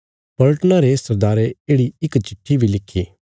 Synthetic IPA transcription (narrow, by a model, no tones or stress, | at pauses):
pɐləʈnaɾesɐɾd̪aːɾeeːɽiɪkt͡ʃɪʈʰːibʱilɪkʰːiː